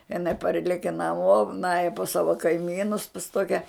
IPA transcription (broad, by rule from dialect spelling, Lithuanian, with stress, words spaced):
ɪˈnɐɪ ˈpɐrʲlʲɛkʲɛ nɐˈmoː ˈnɑːjɛ pɐs ˈsɑːʋɐ kɐɪˈmʲiːnʊs pɐs ˈtoːkʲɛ